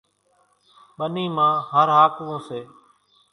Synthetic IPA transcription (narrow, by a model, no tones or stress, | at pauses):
ɓəniːmãːɦəɾɦaːkʋõːseː